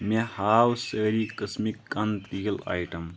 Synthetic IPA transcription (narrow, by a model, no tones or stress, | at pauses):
mehaːwsəːɾikəsmikːɐnt̪iːla̰ːjʈɐm